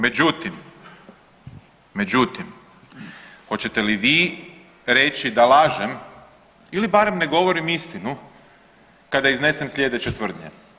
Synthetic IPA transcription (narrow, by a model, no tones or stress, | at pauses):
me̞d͡ʑut̪im | me̞d͡ʑut̪im | xo̞t͡ɕet̪e̞liʋiː | ɾe̞t͡ɕid̪alaːʒem | ilibaɾemne̞ɡo̞ʋoɾimist̪inu | kad̪aizne̞semslʎʲe̞d̪e̞t͡ɕet̪ʋr̩d̪ɲe